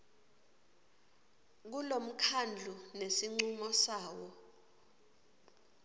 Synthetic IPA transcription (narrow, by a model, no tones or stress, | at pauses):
k̬ulom̩kʰand͡ɮʱunesiŋ͡ǀumɔsaːwɔ